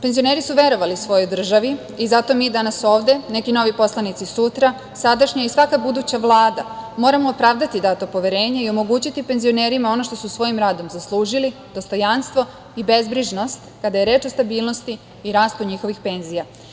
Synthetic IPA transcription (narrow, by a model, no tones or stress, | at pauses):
pe̞nzio̞ne̞ːɾisuʋe̞ɾo̞ʋaliusʋo̞jo̞jd̪r̩ʒaʋi | izat̪o̞miːd̪anaso̞ːʋd̪e̞nekino̞ʋipo̞slˠanit̪sisut̪ɾa | sad̪aʃɲaisʋakabud̪uːt͡ɕaʋlˠaːd̪amo̞ːɾamoːpɾaːʋd̪at̪id̪aːt̪opo̞ʋeɾe̞ːɲaio̞mo̞ɡut͡ɕit̪ipe̞nzio̞ne̞ːɾimao̞no̞ʃt̪o̞susʋo̞jimɾaːd̪o̞mzaslˠuːʒili | d̪ost̪o̞janst̪ʋo̞ | ibe̞zbɾiʒno̞st̪kad̪aje̞ɾeːt͡ʃo̞st̪abiːlˠno̞st̪iː | ɾaːst̪uɲixo̞ʋixpe̞nzija